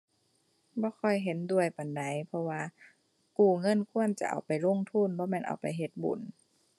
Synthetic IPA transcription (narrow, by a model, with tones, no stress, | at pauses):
bɔː˧˦kʰɔ˧˩jɦe˨˦ndu˧˩əjpa˨˩nda˨˦jpʰɔ˧waː˧ | kuː˧˩ŋɤ˧˥˨nkʰu˧˥˩ənt͡ɕa̰˧˩ʔa̰˨˩wpa˨jlo˧˥˨ŋt̪ʰu˧˥˨nbɔː˧˦mɛː˧˥˨nʔa̰˨˩wpa˨˩jɦe˧˦t̪̚bṵ˨˩˦n